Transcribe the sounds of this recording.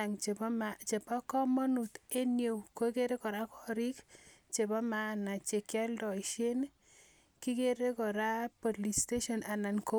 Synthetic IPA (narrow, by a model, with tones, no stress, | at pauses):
a˨ŋmat͡ʃe˨pa˦kɔ˦mɔ˦nu˨t̪e˦njo˨wko˦ke˦ɾe˦kɔ˨ɾa˦kɔ˦ɾi˦k | t͡ʃe˨ba˦ma˦na˨t͡ʃe˨kja˦ldɔ˨iʃe˦n | ki˦ke˦ɾe˦kɔ˨ɾa˦pɔ˨li˨ste˦ʃɔ˨na˨na˨nko˦